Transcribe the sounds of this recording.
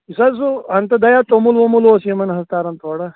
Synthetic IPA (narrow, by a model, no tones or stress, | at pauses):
isas̬uɐnt̪ɐd̪ɐjaːt̪omulʋomulʋoːsimɐnɦɐst̪aːɾɐnt̪oːɽɐ